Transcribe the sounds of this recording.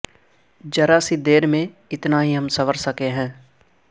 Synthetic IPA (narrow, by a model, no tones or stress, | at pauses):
d͡ʒɐɾasid̪eːɾmẽ | ɪt̪naɦiɦɐmsɐʋəɾsɐkeɦɛ̃ː